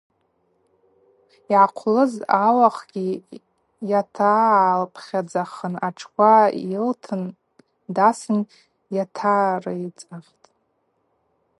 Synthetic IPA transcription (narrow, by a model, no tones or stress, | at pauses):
iʕaqʷʰlɨzalaχɡ̥ʲi | jatʰalpʰχʲad͡zaχənaʈ͡ʂʰkʷʰailtʰɨn | dasɨn | jatʰaːrait͡sʼaχʲtʼ